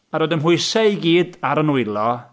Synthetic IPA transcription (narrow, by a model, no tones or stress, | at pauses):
aɾodəmɦʊɨsajɡiːdaɾənuɨlˠɔ